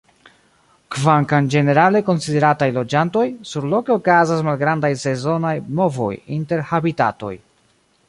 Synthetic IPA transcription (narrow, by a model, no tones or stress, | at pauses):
kvaŋkand͡ʒe̞ne̞ɾale̞ko̞nside̞ɾatajlo̞d͡ʒanto̞jsuɾlo̞ke̞okazasmalɡɾandajse̞zo̞najmo̞vo̞̰jinte̞ɾhabita̰to̞̰j